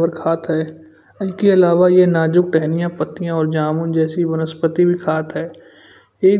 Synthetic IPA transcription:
əɾkʰaːt̪ɦɛː | ɪkeɐlaːʋajenaːd͡ʒʊk̚ʈɛɦnijãpət̪ːijãɔːɾd͡ʒaːmʊ̃d͡ʒɛːsibʊnəspət̪ibʱikʰaːt̪ɦɛː | eː

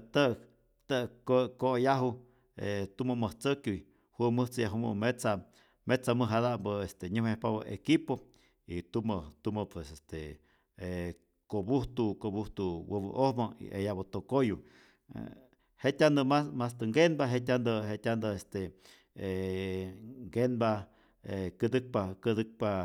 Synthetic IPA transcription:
t̪əʔ | t̪əkkojaɦu | et̪uməməht͡səkjuj | huməht͡sɨjaɦumə̰met͡sa | met͡saməɦadambəest̪eɲuhmehpaβaʔekipo | it̪umət̪uməpwesest̪e | e | kobuht̪ukobuht̪uwəb̰ʔohmaḭʔḛjabot̪okojṵ | heʔt̪ʲand̪əmasmast̪əŋɡenbaɦet̪̬ʲand̪əhet̪ʲand̪əest̪e | e | ŋɡenba | ekəd̪ɨk̚pakəd̪ɨk̚pa

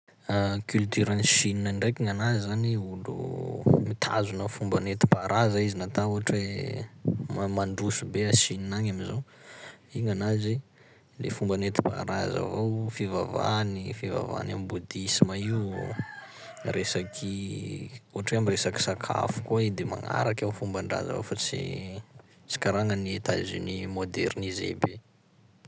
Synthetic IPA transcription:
akylt̪yɾaniʃininanɖ͡ʐejkiŋanazizaniulṵmit̪ʰa̰zunəfumbanet̪i̥paɾʔazaizinat̪auɦaʈ͡ʂwe | mamaɳɖ͡ʐusubeaʃininaɲamizo | iŋanazi | lḛfumbanet̪i̥pa̰ɾa̰za̰vowfivava̰nifiva̰va̰nambud̪isimai | resakʰi | uɦaʈ͡ʂweamiresaki̥sakʰa̰fu̥kuaid̪ema̰ŋa̰ɾakawfumbaɳɖ͡ʐa̰za̰vo̰wfat͡sḭ | t͡si̥kaɾaŋəniet̪a̰zinimod̪eɾnizḛbe

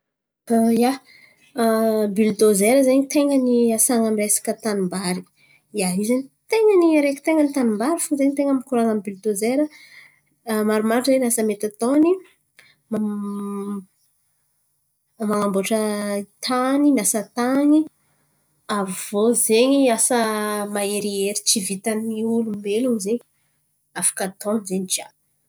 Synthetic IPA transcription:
aja | bild̪ozeɾəzeɲit̪eŋəniasaŋamiresḁkət̪anumbaɾi̥ | jaɦizaɲit̪eŋəniaɾeki̥t̪eŋənit̪anumbaɾifuzeɲit̪eŋamikuɾaŋamibild̪ozeɾə | maɾumaɾʈ͡ʂzenasəmet̪at̪oni | ma | maŋamboʈ͡ʂəit̪ʰaninasət̪ani | avozeɲiasəmaeɾieɾi̥t͡ʃivit̪aniulumbeluzeɲi | afḁkət̪ɔnzeɲid͡ʒa

